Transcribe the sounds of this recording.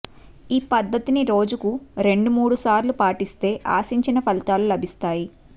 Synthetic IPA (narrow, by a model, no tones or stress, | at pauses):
iːpɐd̪ʱːɐt̪iniɾo̞ːd͡ʒukuɾe̞ɳɖumuːɽusaːɾlupaːʈist̪e̞ːʔa̰ːsiɲt͡ʃinɐpʰɐlit̪aːlulɐbʱist̪aːji